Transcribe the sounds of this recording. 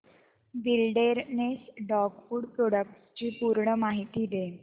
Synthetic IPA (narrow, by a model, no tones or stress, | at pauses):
ʋilɖeɾnesɖɔkfuːɽpɾoɽək̚ʈst͡ɕiːpuɾɳəmaɦit̪iːd̪e